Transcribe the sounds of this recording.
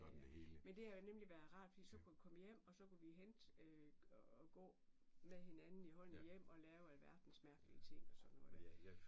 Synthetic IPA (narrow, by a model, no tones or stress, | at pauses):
eheːlmend̥e̝hæjonemliʋæːɐðˠʁɑ̈ːd̥fɒ̽d̥ḭːsɒ̽kʰuʋikʰɒ̽məjem̰ɒ̽sɒ̽kuʋiɦend̥øɒɡ̥ɔ̰̽ːmeðˠhe̝nænn̩iɦɒ̽n̰̩jem̰ɒ̽lɛːʊælʋæɐd̥n̩smæɐɡ̥əliət͡sʰe̝ŋ̰ɒsɒ̽d̥nːɔ̽ː